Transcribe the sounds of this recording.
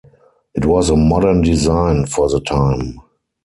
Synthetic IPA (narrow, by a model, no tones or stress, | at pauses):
ʔɪtwɔzəmɔɾə˞ndizãɪ̃nfɔðətʰãɪ̃m